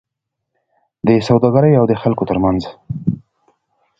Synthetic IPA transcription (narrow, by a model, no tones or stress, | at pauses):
d̪əsawd̪ɑɡaɾəjawd̪əxalkot̪əɾmanz